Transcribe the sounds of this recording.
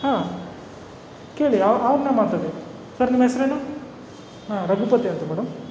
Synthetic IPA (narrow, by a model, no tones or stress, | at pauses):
haː | ke̞ːɭiɐɐʋɐɾnemaːɽt̪ali | sɐɾnimɐɦesɾenu | ɦãːɾɐɡʱupɐt̪iɐnt̪umɛːɽɐm